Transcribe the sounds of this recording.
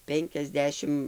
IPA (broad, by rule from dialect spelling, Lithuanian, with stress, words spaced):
ˈpʲɛŋʲkʲɛzʲˌdʲæːʃʲɪmt